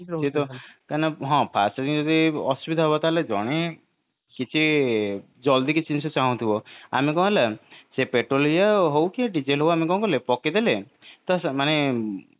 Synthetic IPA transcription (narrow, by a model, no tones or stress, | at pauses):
et̪ɔkanɔɦɔ̃pʰasɔɾid͡ʒɔd̪iɔsubid̪ʱaɦebɔt̪aled͡ʒɔɽ̃e | kit͡ʃʰi | d͡ʒɔld̪ikit͡ʃinsɔt͡ʃaɦũt̪ʰibɔa̰mikɔ̃ɦelasepeʈɾolijaɦowkiaɖid͡ʒelɦowamikɔ̃kɔlepɔked̪ele | t̪ɔsmane